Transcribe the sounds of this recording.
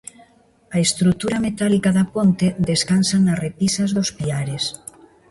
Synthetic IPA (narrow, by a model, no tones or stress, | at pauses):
aest̪ɾut̪uɾamet̪alikaðapont̪eðeskansanarepisazðospiaɾes